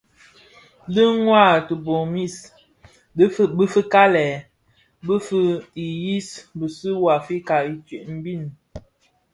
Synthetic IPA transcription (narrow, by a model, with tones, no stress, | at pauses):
də˦ŋwa˦˨tə˨bo˨mi˦˨s | bə˦fə˦ka˦lɛ˨ | bə˦fə˦i˨ji˦sbə˨si˦wa˨fi˦ka˨i˨t͡ʃɥe˨ʔm̩˨˦bi˦˨n